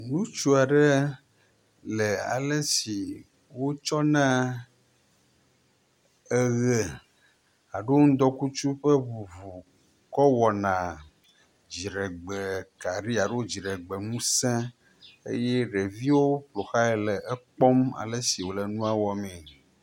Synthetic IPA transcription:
nũ˦t͡ʃu˦a˨ɖɛ˦ | lɛ˨a̰˨lə˦si˨ | wo˦t͡ʃɔ˦nã˦ | ɛ˨ɣe˨ | a˨ɖo˦o˦ŋ̩˦d̪ɔ˦ku˦t͡ʃu˦ɸə˦vu˨vu˨ | kɔ˦wɔ˨nã˨ | d͡ʑi˨ɖɛ˨ɡ͡be˨ka˨ɾi˦a˨ɖo˦wo˦d͡ʑi˨ɖe˨ɡ͡be˨nũ˦sɛ̃˦ | ḛ˦jɛ˦ɖe˨vi˦wo˦k͡plo˨xa˦ɛ˨lɛ˨ʔɛ˦k͡pɔ˦ma̰˨lə˦si˨wo˨lɛ˨nũ˦a˦wɔ˨mɛ̃˨

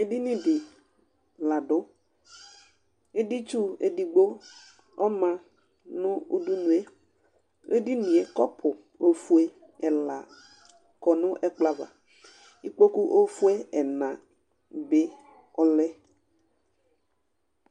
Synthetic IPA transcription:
e˦di˦nĩ˦dɪ˨ | la˨ɖʊ˦ | e˦di˦t͡ʃu˦ḛ˨di˨ɡ͡bo˦ | ɔ˦mã˨ | nʊ̃˦ṵ˦du˦nũ˨e˦ | e˦di˦nĩ˨e˨kɔ˦pʰʊ˨ | o˦fu˦e˦ | ɛ˨la˨ | kɔ˨nʊ̃˦ʔɛ˦k͡pla˦va̰˨ | i˦k͡po˦ku˦ʔo˦fu˦e˦ɛ˨nã˨ | be˦ | ɔ˦lɛ˦

